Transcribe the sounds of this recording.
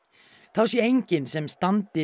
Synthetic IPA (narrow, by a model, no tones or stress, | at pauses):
θawsjɛejɲcɪnsɛmst̪ant̪ɪ